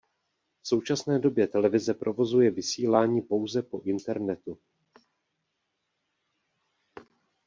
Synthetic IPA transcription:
fso̞wt͡ʃasnɛːdo̞bjɛt̪ɛlɛvɪzɛpɾʔo̞vo̞zujɛvɪsiːlaːɲiːpo̞wzɛpo̞ʔɪnt̪ɛɾnɛt̪u

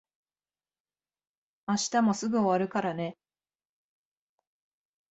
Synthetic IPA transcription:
aɕi̥t̪amo̞sɨɡɯ̟o̞βaɾɯ̟kaɾane̞

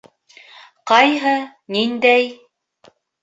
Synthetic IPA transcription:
qɑjɦɤ | nind̪æj

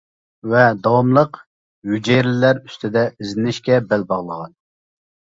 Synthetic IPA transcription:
vɛd̪ɑwɑmlˠəq | jud͡ʒeɾlɪlæɾy̥st̪ʰɪd̪ɛizɪnɪʃkʲɛbɛlbɑʁlˠəʁɑn

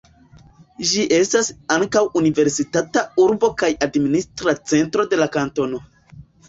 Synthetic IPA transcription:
ʒiʔe̞stasaŋkawunive̞ɾsitatauɾbo̞kajadministɾat͡se̞ntɾo̞de̞lakanto̞no̞

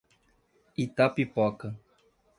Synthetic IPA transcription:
it̪apipɔkɐ

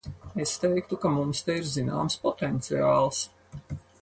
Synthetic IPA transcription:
est̪ɛjk̚t̪ukamumst̪ɛiɾzina̰ːmspɔt̪ɛnt̪siaːlˠs

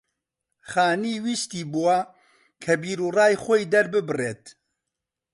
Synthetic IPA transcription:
χaːniːwiːʃt̪iːbuwɐ | kʰɐbiːɾuːrɑːjxoːjd̪ɐɾbɨbɨreːt̪

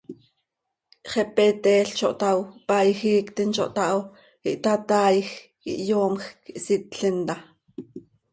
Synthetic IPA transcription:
ʔχɛpɛt̪ɛːɬt͡ʃoʔt̪awpajxiːkt̪int͡ʃo̰ʔt̪ɑʔw | iʔt̪at̪aːjx | ḭʔjoːmxkiʔsit̪̚ɬint̪a

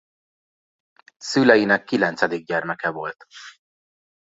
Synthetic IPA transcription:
sylɛjinɛkːilɛnt̪sɛd̪iɡ̚ɟɛrmɛkɛvo̞lt̪

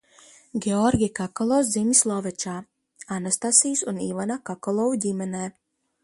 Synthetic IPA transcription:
ɡʲeɔɾɡʲikakɔlˠɔszʲimʲislˠɔvɛt͡ʃaː | anast̪asijsunivanakakɔlˠɔwudʲimʲɛnɛː

